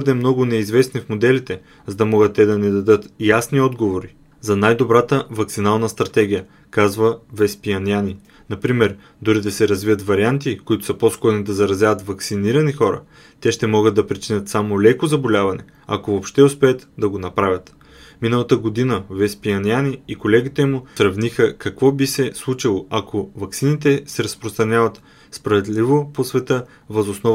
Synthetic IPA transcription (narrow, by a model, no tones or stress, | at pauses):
əd̪ɛmnɔɡʊnɛizvɛsnifmod̪ɛlit̪ɛ | zɐd̪ɐmɔɡət̪ːɛd̪ɐnɛd̪ɐd̪ɤt̪jasniɔd̪ɡovoɾi | zɐnajd̪obɾat̪əvɐktsinalˠnəst̪ɾɐt̪ɛɡ̟ʲijə | kazvəvɛspiɐniani | nɐpɾimɛɾ | d̪oɾid̪ɐsɛɾɐzviət̪vɐɾiant̪̬ikoit̪ʊ̥səposkɔɾnid̪ɐzɐɾɐzʲavɐt̪vɐksiniɾɐnixɔɾə̰ | t̪ɛʃt̪ɛmɔɡəd̪ɐpɾit͡ʃinʲət̪samolɛkozɐbolʲavɐnɛ̰ | a̰kovopʃt̪ɛʊspɛət̪d̪ɐɡonɐpɾavʲət̪ | minəlˠɐt̪əɡod̪inəvɛspiɐnianiːkolɛɡʲit̪ɛmʊsɾɐvnixəkɐkvɔbisɛslˠut͡ʃilˠoɐkovɐksinit̪ɛsɛɾɐspɾost̪ɾɐnʲjavɐt̪ | spɾɐvɛd̪livoposvɛt̪ɤ | vɐzosnɔ